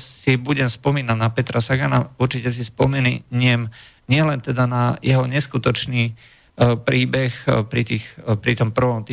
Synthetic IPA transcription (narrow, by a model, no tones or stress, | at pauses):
sibuɟɛmspɔmiːnaɟnapɛt̪ɾasaɡanauɾt͡ʃicɛs̬ispɔmɛnɲɪɛm | ɲɪɛlɛnt̪ɛd̪anajɛɦɔɲɛskut̪ɔt͡ʃniː | pɾiːbɛxpɾit̪iːxpɾit̪ɔmpr̩ʋɔmt̪i